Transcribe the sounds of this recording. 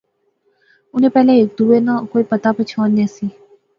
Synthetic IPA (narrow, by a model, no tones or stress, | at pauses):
ʊnẽpɛːleeːk̚d̪uːenãkoːipət̪apət͡ʃʰãːnẽsi